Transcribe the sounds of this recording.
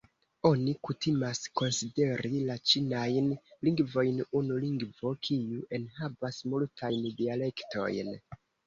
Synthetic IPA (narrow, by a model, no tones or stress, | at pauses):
o̞nikutʰimasko̞nside̞ɾilat͡ʃinajnliŋɡvo̞jnunuliŋɡvo̞kʰijuʔe̞nhavasmultʰajndiale̞ktʰo̞̰jn